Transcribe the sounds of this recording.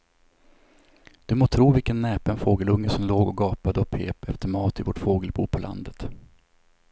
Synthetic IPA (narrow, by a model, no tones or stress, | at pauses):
d̪̥ɵmoːt̪ʰɾuːvɪlkənːɛːpənfoːɡəlɵŋːəsɔmloːɡɔɡɑːpad̪əɔpʰḛːpʰɛft̪əɾmɑːt̪ɪvɔʈfoːɡəlbṵːpʰɔlʔa̰nd̪ət̪